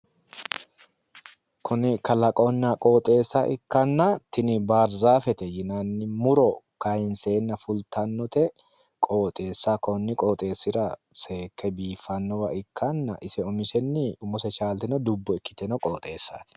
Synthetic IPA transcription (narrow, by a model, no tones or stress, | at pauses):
kʰʊnɪkɐlɐkʼɔnːɐkʼo̞ːt̪ʼe̞ːsːaʔɪkːɐnːɐt̪ɪnɪbaːɾzaːfɛt̪ɛjɪnɐnːɪmʊɾɔkɐjɪnse̞ːnːɐfʊlt̪ɐnːɔt̪ɛ | kʼoːt̪ʼe̞ːsːakʰʼɔnːɪkʼoːt̪ʼe̞ːsːɪɾɐseːkːɛbiːfɐnːɔwɐʔɪkːɐnːɐ̰ʔɪsɛɔmɪsɛnːɪʊmɔsɛt͡ʃaːlt̪ɪnɔd̪ʊbːɔɛkːɪ̥t̪ɛnɔkʼo̞ːt̪ʼe̞ːsːa̰ːt̪ɪ̥